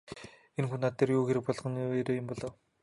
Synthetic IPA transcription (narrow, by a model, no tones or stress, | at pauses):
enxunat̪ʰːerjuːxeɾɘ̆k̚pɔɮʁɞ̆neɾoːjʊmpɔɮɔ̆w